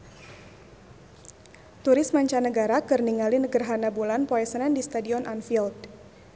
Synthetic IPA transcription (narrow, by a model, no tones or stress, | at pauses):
t̪uɾɪsmaɲt͡ʃanəɡaɾakərniŋalinəɡərɦanabulanpɔɛsənɛndist̪adiɔnʔanfild